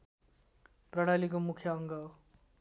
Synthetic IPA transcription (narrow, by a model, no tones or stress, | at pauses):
prʌɽ̃alik̬omukʰjʌʌŋɡʌ